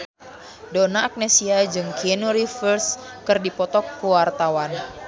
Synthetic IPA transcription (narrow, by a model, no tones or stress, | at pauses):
dɔnaːk̚nesiad͡ʒɨŋkʰɛnuɾifərs | kɨrdipɔt̪ɔk̚puwart̪awan